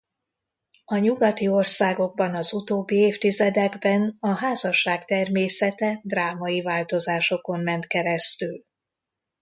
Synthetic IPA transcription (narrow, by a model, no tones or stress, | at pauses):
ɒɲuɡɒt̪io̞rsaːɡo̞ɡ̚bɒnɒzut̪oːbːieːft̪izɛd̪ɛɡbɛnɒɦaːzɒʃaːkt̪ɛrmeːsɛt̪ɛd̪raːmɒjivaːlt̪o̞zaːʃo̞ko̞mmɛnt̪kɛɾɛst̪yl